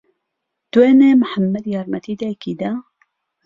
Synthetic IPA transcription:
t̪weːnemħamːɐd̪jɑːɾmɐt̪ʰiːd̪ajkiːd̪a

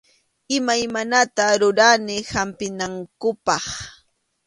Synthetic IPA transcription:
ɪmajmanat̪aɾʊɾanɪhampɪnaŋkʊpɑχ

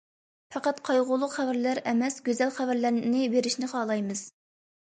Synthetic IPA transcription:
fɑqɑt̪qʰɑjʁʊlˠːʊqχævæɾlæɾɛmɛsɡʲøzɛlχævæɾlæɾnɪbeɾɪʃnɪχɑːlˠɑjmɨz̥

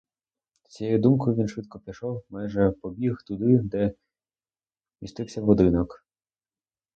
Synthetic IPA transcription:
sʲjejud̪umkɔjʊʋʲinʃʋɪt̪kɔpʲiʃɔwmajʒɛpɔbʲixt̪ʊd̪ɪd̪ɛ | ist̪ɪwsʲɐʋɔd̪ɪnɔk

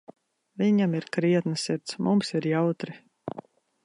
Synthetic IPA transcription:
viɲamiɾkɾiɛt̪nɨsiɾt̪smʔumsiɾjawt̪ɾi

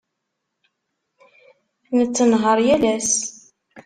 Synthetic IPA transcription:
nət͡sːənɦəɾˤjælæs

